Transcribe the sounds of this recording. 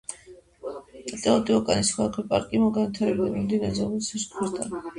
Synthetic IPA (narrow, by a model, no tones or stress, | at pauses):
at̪ʼɛɔt̪ʼiɔkʼanisχɛakʰɛpʼa̰ɾkʼimɔɡanwit̪ʰaɾɛbid̪amimd̪inɛzɛmisʰɛskʰwɛɾd̪ʼa̰